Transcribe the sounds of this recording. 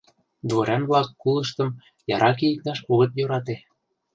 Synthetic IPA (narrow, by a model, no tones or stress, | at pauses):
d̪voɾʲɑnβlɑkːulə̆ʃt̪ɤ̆m | jɑɾʔɑk̬ejik̚t̪ɑʃuɣɤ̆t̪jøɾɑt̪e